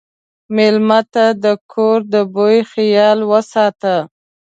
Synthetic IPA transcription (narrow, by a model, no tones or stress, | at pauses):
mɪlmat̪ad̪əkʰoɾd̪əbojxɪjɑlwəsɑt̪a